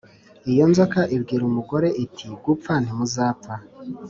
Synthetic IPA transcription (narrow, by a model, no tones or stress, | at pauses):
ijo̞nzokaʔibɡiːɾumuɡo̞ɾe̞ʔitʰiɡup̪fan̥himuzaːp̪fa